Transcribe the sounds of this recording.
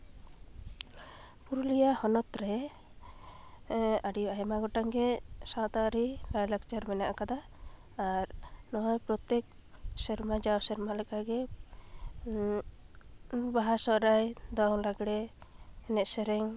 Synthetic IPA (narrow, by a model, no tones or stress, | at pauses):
puɾulijahɔnɔt̪ɾɛ | aɽijuajmaɡɔʈaŋɡɛsat̪aɾilajlaɡt͡ʃaɾmɛnaʔkad̪aː | ɾnɔɔjpɾɔt̪ɛk̚ | sɛɾmad͡ʒawsɛɾmalɛkaɡɛ | baɦasɔʔɾajd̪ɔŋlaɡɽɛː | nɛʔsɛɾɛŋ